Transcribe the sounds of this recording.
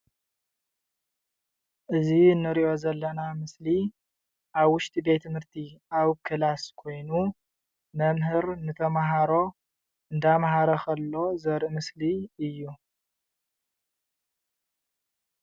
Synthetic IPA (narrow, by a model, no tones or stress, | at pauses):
ʔɨziɨnːɨɾiʔo̞zɐlːɐnamɨsli | ʔaβwʊʃt̪ʼibe̞t̪ʰːɨmhɨɾt̪ʰiaβkʰɨlaskʰo̞jnu | mɐmɦɨɾnɨt̪ʰɐmaɦaɾo̞ | ɨnd̪amaɦaɾɐxʰɐlːo̞zɐɾʔmɨsliɨjːu